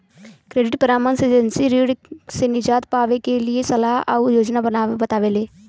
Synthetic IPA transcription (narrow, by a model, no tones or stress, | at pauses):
kɾeːɖɪʈpəɾaːmənsed͡ʒənsiɾiːɽsenɪd͡ʒaːt̪paːʋekelɪesəlaːɦa̰ujoːd͡ʒnabənaːʋebət̪aːʋeːleː